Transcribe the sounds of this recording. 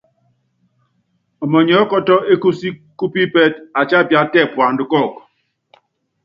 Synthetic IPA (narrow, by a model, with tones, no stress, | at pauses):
ɔ˨mɔ˨ɲɔ˨˦kɔ˦tɔ˦e˦ku˦si˦kːu˦pi˦pɛ˦ta˨t͡ʃa˦pja˦tɛ˦˨pwa˨ndkɔ˦˨k